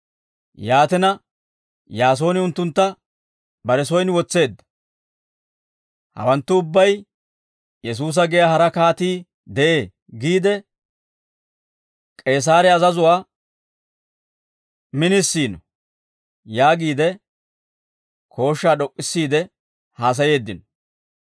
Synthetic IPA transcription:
jaːt̪ɛnɐ | jaːs̬o̞ːnɪʊnt̪ːʊnt̪ːɐ | bɐɾɛs̬ɔjnwɔt͡sːe̞ːd̪ːɐ̥ | hɐ̰wɐnt̪ːʊʊbːɐj | jɛs̬uːs̬ɐɡɛjaːhɐɾɐkaːt̪iː | d̪ɛʔeː | ɡiːd̪ɛ | kʼe̞ːs̬aːɾɛɐzɐzʊwaː | mɪnɪsːiːnɔ | jaːɡiːd̪ɛ | kʰo̞ːʃːaːɗɔkʼːɪsːiːd̪ɛ | haːs̬ɐje̞ːd̪ːɪnɔ

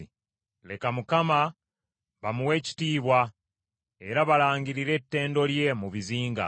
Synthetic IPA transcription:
le̞kamukama | βamuwe̞ːci̥tiːβwa | e̞ɾaβalaːɲɟiɾiɾe̞ːtːe̞ːndo̞lje̞muβiziːŋɡa̰

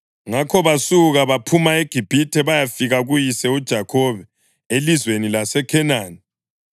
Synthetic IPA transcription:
ŋakʰɔβasuɣaβapʰumaeɡ̥ʱib̥ʱitʰɛβajafiɣaɣujisɛud̥ʒ̥ʱakʰɔβɛ | elizwenilasɛkʰɛnaːni

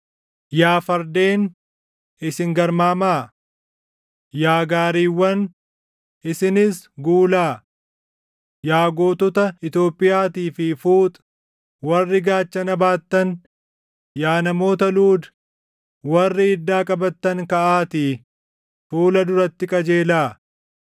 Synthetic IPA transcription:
jaːfɐɾd̪e̞ːn | ʔɪsɪŋɡɐɾmaːmaː | jaːɡaːɾiːwːɐn | ʔɪsɪnɪsɡuːlaː | jaːɡoːt̪ɔt̪ɐɪt̪jo̞ːpʼːɪjaːt̪iːfɪfuːt̪ʼ | wɐrːɪɡaːt͡ʃːɐnɐbaːt̪ːɐn | jaːnɐmo̞ːt̪ɐluːd̪ | wɐrːɪːd̪ːaːkʼɐbɐt̪ːɐŋkɐʔaːt̪i | fuːlɐd̪ʊɾɐt̪ːɪkʼɐd͡ʒe̞ːlaː

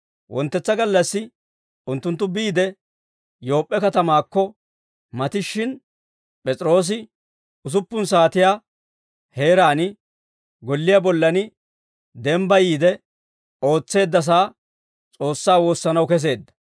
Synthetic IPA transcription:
wʔɔ̰nt̪ːɛt͡sːɐɡɐlːɐsːɪ | ʊnt̪ːʊnt̪̬ːʊbiːd̪ɛ | jo̞ːpʼːɛkɐt̪ɐmaːkːɔ | mɐt̪ɪʃːɪn | pʼɛt͡sʼɾo̞ːs̬ɪ | ʊs̬ʊpːʊns̬aːt̪ɪjaː | he̞ːɾaːnɪ | ɡɔlːɪjabɔlːɐnɪ | d̪ɛmbɐjiːd̪ɛ | o̞ːt͡sːe̞ːd̪ːɐs̬aː | t͡sʼo̞ːsːaːwo̞ːsːɐnɐwkɛs̬e̞ːd̪ːɐ̥

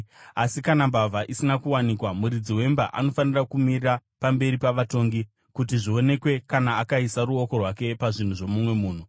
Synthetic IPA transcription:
asikanambavʱaʔisinakuwanikwamuɾid͡ziwe̞mbaʔa̰no̞fanirakumirirapambe̞ɾipaʋato̞ŋɡi | kutiʐio̞ne̞kwe̞kanaːkaisaɾuoko̞rwake̞paʐin̤uʐo̞mumwe̞muːn̤u

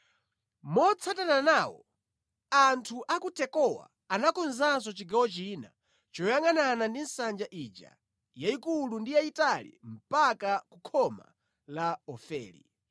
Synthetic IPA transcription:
mɔt͡sʰatananaːwɔ̰ | antʰuʔakutɛkɔwa̰ːnakɔnzans̬ɔt͡ʃiɡawɔt͡ʃina | t͡ʃɔjaŋananandinsand͡ʒaʔid͡ʒa̰ | jaikulundijaitalḭm̩pakakukʰɔma̰ | laɔfɛ̰ːlḭ

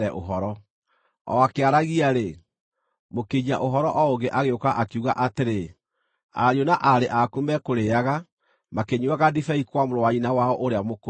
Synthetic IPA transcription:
ɛʔo̰ɦɔɾɔ | ɔ̰akeaɾaɣiaɾe | mokeɲaʔoɦɔɾɔʔɔoɡeʔaɣeokaʔakiuɣaʔateɾe | a̰ɾjonaʔaɾeʔakumɛkoɾeaɣa | makeɲuaɣadifɛikwamoɾowainawaɔʔoɾeamok

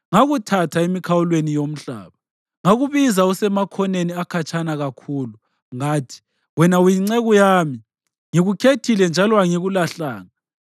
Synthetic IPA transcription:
ŋaɣutʰatʰaemikʰawulwenijom̩ɬa̰ːβa | ŋaɣuβizausɛmakʰɔneniakʰat͡ʃʰʼanaɣakʰuːlu | ŋaːtʰi̥ | wɛnawujiŋ͡ǀɛɣujaːmi | ŋiɣukʰetʰilɛnd͡ʒʱalɔaŋiɣulaɬaːŋa

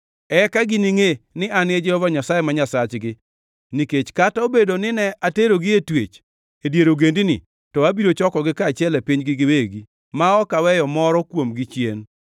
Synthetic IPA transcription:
ɛkaɡɪniŋenɪanɪed͡ʒɛɔvaɲasajemaɲasat͡ʃɡɪ | niket͡ʃkataobedonɪnɛʔateɾoɡɪetwet͡ʃ | edjeɾoɡendinɪ̰ | tɔabiɾot͡ʃɔkɔɡɪkat͡ʃɛlɛpiɲɡɪɡɪweɡi | maɔkawɛjɔmɔɾɔkwomɡɪt͡ʃjen

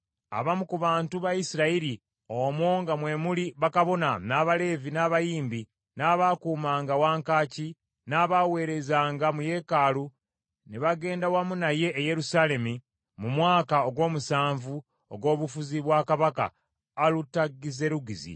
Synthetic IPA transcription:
a̰βamukuβaːntuβajisiɾaiɾi | omwoŋɡamwe̞muliβakaβo̞nanaːβale̞ːvinaːβajiːmbi | naβakuːmaːŋɡawaːŋkaːci | naːβawe̞ːɾe̞zaːŋɡamuje̞ːkaːlu | neβaɡe̞ːndawamunaje̞ʔːje̞ɾusale̞mi | mumwaːkao̞ɡwo̞ːmusaːɱvu | oɡo̞ːβufuziβwakaβaka̰ː | lutaɡːize̞ɾuɡizḭ

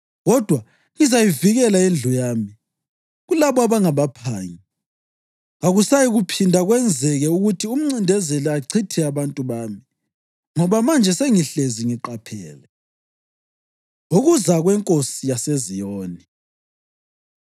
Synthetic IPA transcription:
ɣɔd̥ʱwa | ɣizajiviɣɛlaend͡ɮʱujaːmi | ɣulaβɔaβaŋaβapʰaːɲi | aɣusajiɣupʰindʱaɣwɛnd͡zʱɛɣɛuɣutʰium̩ŋ͡ǀindʱɛzɛlɛaǀʰitʰɛaβantʼuβaːmi | ŋɔβamand͡ʒʱɛseŋiɬeziŋiǃapʰɛːlɛ | uɣuzaɣwɛŋkʼosijasezijoːni

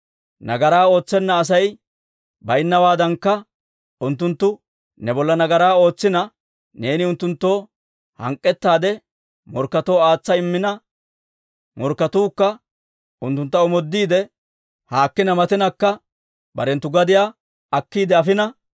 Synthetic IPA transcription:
nɐɡɐɾaːo̞ːt͡sːɛnːɐːs̬ɐj | bɐjɪnːɐwaːd̪ɐŋkːɐ | ʊnt̪ːʊnt̪ːʊ | nɛbɔlːɐnɐɡɐɾaːo̞ːt͡sːɪnɐ | ne̞ːnɪʊnt̪ːʊnt̪ːo̞ː | hɐ̰ŋkʼːɛt̪ːaːd̪ɛ | mɔɾkːɐt̪o̞ːaːt͡sːɐɪmːɪnɐ | mɔɾkːɐt̪uːkːɐ | ʔʊnt̪ːʊnt̪ːɐɔmɔd̪ːiːd̪ɛ | haːkːɪnɐmɐt̪ɪnɐkːɐ | bɐ̰ɾɛnt̪ːʊɡɐd̪ɪjaː | ɐkːiːd̪ɛɐfɪnɐ

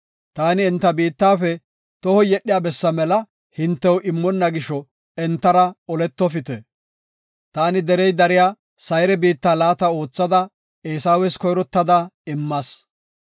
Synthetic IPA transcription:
t̪aːnɪːnt̪ːɐbiːt̪ːaːfɛ | t̪ɔhɔjɛɗːɪjaːbɛsːɐmɛlɐ | hɪnt̪ːɛwʔɪmːɔnːɐɡɪʃɔ | ɛnt̪ːɐɾɐɔlɛt̪ːɔfɪt̪ɛ | t̪aːnɪd̪ɛɾɛjd̪ɐɾɪjaː | sɐjɾɛbiːt̪ːaːlaːt̪ɐo̞ːt͡sːɐd̪ɐ | eːsaːwɛskɔjɾɔt̪ːɐd̪ɐɪmːɐs

